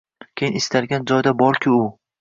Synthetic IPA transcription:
kʲʰejɪnɪst̪ʰaɾɡʲand͡ʒɒjd̪abɒɾkʲʰɪʊ

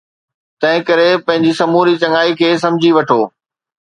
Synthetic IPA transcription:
t̪ɐ̃ɦɪ̃kɐɾepɐ̃ɦɪ̃ɲd͡ʑisɐmuːɾit͡ɕɐŋaːikʰeːs̬ɐ̃md͡ʑʱiʋɐʈʰoː

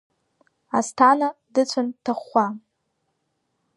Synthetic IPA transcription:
astʰanadɨt͡ɕʷʰantʰaχːʷa

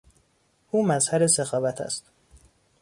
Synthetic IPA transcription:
ʔuːmæzhæɾesexɒːvæt̪ʰæ̰st̪

